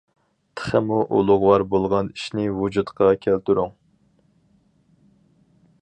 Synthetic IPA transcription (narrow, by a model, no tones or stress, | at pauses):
t̪ʰə̥χəmuʔṵlˠʊʁwɑɾbolˠʁɑniʃnɪwud͡ʒut̪qɑkʲʰælt̪yɾuŋ